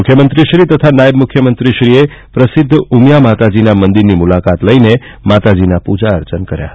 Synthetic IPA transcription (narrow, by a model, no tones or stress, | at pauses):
ʊkʰjəmənt̪ɾiʃɾit̪ət̪ʰanajəbmʊkʰːjəmənt̪ɾiʃɾiepɾəsɪd̪ʱːumjamat̪ad͡ʒinamənd̪iɾnimulakat̪ləine | mat̪ad͡ʒinapud͡ʒaə̰ɾt͡ʃənkəɾja̰ə